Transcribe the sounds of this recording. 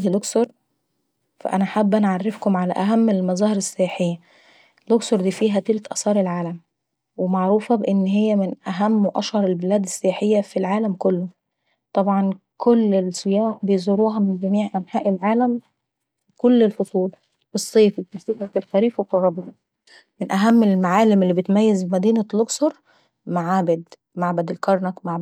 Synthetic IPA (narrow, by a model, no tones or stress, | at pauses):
iloksoɾˤ | fæ̰ʔæ̰næħabːʔænʕarːefkʊmʕalæʔæɦæmːelmɑzˤɑːheɾesːejaːħejːæ | lːoksoɾˤd̪iːfiːɦæt̪ɪlt̪ʔɑsˤɑːɾˤelʕaːlæm | wemaʕɾuːfɑbeʔɪnːɦejːæmɪnʔæɦæmːwʔɑʃhɑɾˤelbelæːd̪esːejaːħejːæfilʕaːlæmkolːʊ | t̪ˤɑbʕɑnkolːelsˤejɑːħbejzoɾuːɦɑmɪnɡæmiːʕʔænħaːʔelʕaːlæm | kolːelfosˤuːl | wesˤːeːfimæsˤiːfæfilxæɾiːfweforˤːɑbɑ | mɪnʔæɦæmːelmaʕaːlemelːibet̪mæjːezbemæd̪iːnæloɡsɑɾˤ | maʕaːbed̪ | maʕbæd̪elkɑɾˤnɑkmaʕ